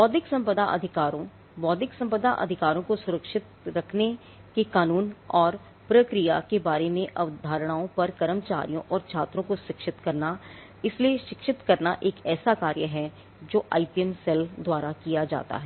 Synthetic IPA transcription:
ʋɔːd̪ɪksɐ̃mpəd̪aʔɐ̰d̪ʱɪkaːɾõ | ʋɔːd̪ɪksɐ̃mpəd̪aʔɐ̰d̪ʱɪkaːɾõkosʊɾəkʃɪt̪ɾɐkʰne | kekaːnuːnɔːɾ | pɾɐkɾijakebaːɾemẽʔɐʋd̪ʱaːɾɽ̃aːõpɐɾkɐɾəmt͡ʃa̰ːɾijõʔɔːɾt͡ʃʰaːt̪ɾõkoʃɪkʃɪt̪kɐɾna | ɪslieʃɪkʃɪt̪kɐɾnaʔeːkɛːsakaːɾjəɦɛ | d͡ʒoːʔa̰ːipiɛmsɛld̪waːɾakijad͡ʒa̰ːt̪a̰ɦɛː

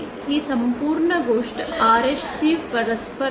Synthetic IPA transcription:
hiːsɐmpuːɾɳɐɡoːʂʈaːɾeʃsiːʋpɐɾɐspɐ

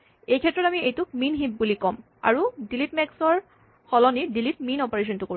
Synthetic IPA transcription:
ejkʰɛtːɹɔtamiejtʊkminɦip̚bulikɔm | a̰ɹudilitmɛksɔɹ | xɔlɔnidilit̚minɔpɔɹeʃ̬ɔntʊko

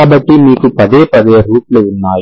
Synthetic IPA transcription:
aːbɐʈːimiːkupɐd̪eːpɐd̪eːɾuːʈluunːaːj

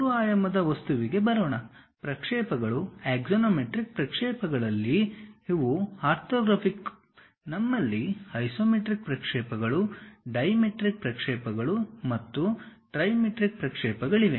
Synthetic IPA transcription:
ɾuaːjɐmɐd̪ɐʋɐst̪uʋiɡe̞bɐɾoːɳɐ | pɾɐkʂɛːpɐɡɐɭueːɡsonoːmeʈɾik̚pɾɐkʂɛːpɐɡɐɭɐlːiiʋuaːɾt̪ʰoːɡɾɐpʰik | nɐmːɐlːihɐjsoːmeʈɾik̚pɾɐkʂɛːpɐɡɐɭuɖɐjmeʈɾik̚pɾɐkʂɛːpɐɡɐɭumɐt̪ːuʈɾɐjmeʈɾik̚pɾɐkʂɛːpɐɡɐɭiʋe

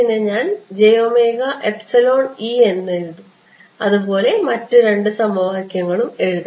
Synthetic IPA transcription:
pinːeɲaːnd͡ʑejoːme̞ːɡɐʔepsɐlo̞ːɳie̞nːɨɻuðu | ɐðubo̞ːle̞mɐtːuɾe̞ɳɖɨsɐmoːɦɐkʲːjɐŋːɐɭume̞ɻuðɐ

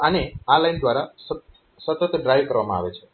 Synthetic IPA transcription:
ənealajnd̪ʋaɾas | sət̪ət̪ɖɾajʋkəɾʋamãa̰ʋet͡ʃʰe̥

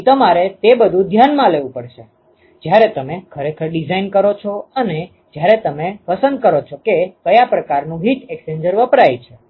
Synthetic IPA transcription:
t̪əmaɾet̪ebəd̪ʱũd̪ʱjanmãleʋũpəɽʃe | d͡ʒjaɾet̪əmekʰəɾekʰəɾɖid͡ʒainkəɾot͡ʃʰoəne | d͡ʒjaɾet̪əmepəsənd̪̚kəɾot͡ʃʰokekəjapɾəkaɾnũɦit̪eksend͡ʒəɾʋəpɾajt͡ʃʰe

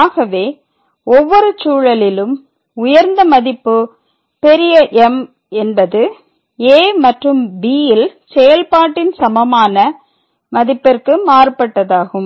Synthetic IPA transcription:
aːɣɐʋeː | ɔʋːɔɾɯt͡ʃuːɻɐlɪlɯm | ʊjɐɾnd̪ɐmɐðɪpːɯ | pɛɾɪjɐʔɛm | ɛnbɐðɯ | eːmɐʈrɯmbiːjɪlsɛjɐlpaːʈːɪnsɐmɐmaːnɐ | mɐðɪpːɪrkɯmaːrpɐʈːɐðaːɣɯm

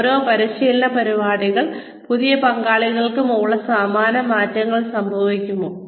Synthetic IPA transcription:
ɾoːpɐɾiɕiːlnɐpɐɾiʋaːɽiɣɐɭ | puðijɐpɐŋɡaːɭiɣɐɭkɨmoːɭɐsaːmaːnɐmaːtːɐŋːɐɭsɐmbʱɐʋikʲːumːu

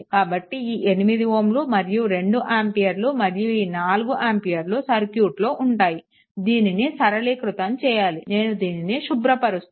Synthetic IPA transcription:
kaːbɐʈːiiːʔenimid̪iʋoːmlumɐɾijuɾe̞ɳɖuʔaːmpijɐɾlumɐɾijuiːnaːluɡuʔaːmpijɐɾlusɐɾkjuːʈloːʔuɳʈaːji | d̪iːninisɐɾɐliːkɾut̪ɐmt͡ʃɛːjaːline̞ːnud̪iːniniʃubɾɐpɐɾust̪

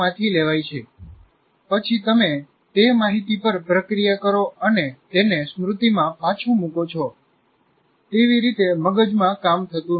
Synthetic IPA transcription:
ãt̪ʰileʋajt͡ʃʰe | pət͡ʃʰit̪əme | t̪emaɦit̪ipəɾpɾəkɾijakəɾoənet̪enesmɾut̪imãpat͡ʃʰũmũkot͡ʃʰɔ | t̪eʋiɾit̪eməɡəd͡ʒmãkamt̪ʰət̪ũ

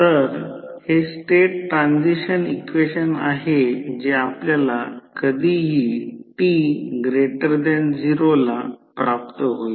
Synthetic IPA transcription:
t̪əɾhesʈeʈʈːɾãnd͡ziɕənikʋeɕənaɦed͡ʑeapljalakəd̪ʱiɦiːʈiɡɾeʈəɾd̪ɛnd͡ziɾolapɾap̚t̪əɦoi

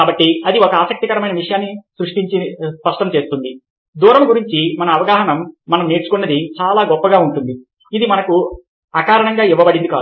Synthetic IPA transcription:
kaːbɐʈːiɐd̪iɔkɐaːsɐk̚t̪ikɐɾɐmɐjnɐʋiʂɐjaːnːisɾuʂʈiɲt͡ʃispɐʂʈɐmt͡ʃeːst̪und̪i | d̪uːɾɐmɡuɾiɲt͡ʃimɐnɐːʋɐɡaːɦɐɳɐmːɐnɐmneːɾt͡ʃu̥kunːɐd̪it͡ʃaːlaːɡɔpːɐɡaːuɳʈund̪i | id̪imɐnɐku | ɐkaːɾɐɳɐŋɡaːiʋːɐbɐɽind̪ukaː

